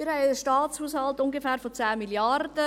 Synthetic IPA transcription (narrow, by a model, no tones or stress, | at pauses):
ɪɾɦɛɪəʃtɑːtt͡shuːshɑltʊŋɡefæːɾfot͡sæːmiljɑrd̥ə